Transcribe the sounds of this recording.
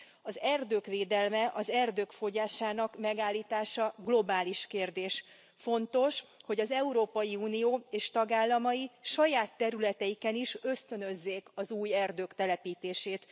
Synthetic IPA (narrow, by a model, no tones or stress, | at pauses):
ɒzɛrd̪øːkʋeːd̪ɛlmɛʔɒzɛrd̪øːkfo̞ɟaːʃaːnɒkmɛɡaːlːiːt̪aːʃɒɡlo̞baːliʃkeːrd̪eːʃ | fo̞nt̪o̞ʃho̞ɟɒzɛuɾoːpɒjiuːnijoːeːʃt̪ɒɡaːlːɒmɒjiʃɒjaːt̪ːɛɾylɛt̪ɛjikɛniʃø̞st̪ø̞nø̞zːeːkɒzuːjɛrd̪øːkt̪ɛlɛpiːt̪eːʃeːt̪